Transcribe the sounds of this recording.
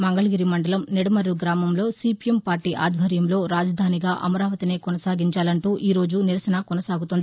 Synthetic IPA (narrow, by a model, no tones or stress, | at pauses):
mɐŋɡɐɭɐɡiːɾimɐɳɖɐlɐmnɛɽɐmɐɾuɡɾaːmɐmlo̞ːsiːpiempaːɾʈiːʔa̰ːd̪ʱʋʱɐɾjɐmlo̞ːɾaːd͡ʒɐd̪ʱaːniɡaːʔɐ̰mɐɾaːʋɐt̪ine̞ːkɔnɐsaːɡiɲt͡ʃaːlɐɳʈuːʔiːɾo̞ːd͡ʒuniɾɐsɐnɐkɔnɐsaːɡut̪und̪i